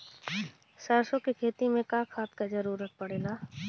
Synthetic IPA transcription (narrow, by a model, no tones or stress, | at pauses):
saɾsõkikʰeːt̪imẽkaːkʰaːt̪kad͡ʒəɾuːɾət̚pəɽeːlaː